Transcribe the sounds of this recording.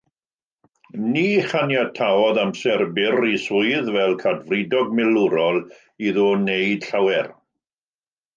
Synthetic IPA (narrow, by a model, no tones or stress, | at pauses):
niːχanjatʰaɔðamsɛrbɪrisʊɨðvɛlˠkʰadvrɪdɔɡmɪlʊɾɔlˠ | iðɔːnejd̥ɬawɛr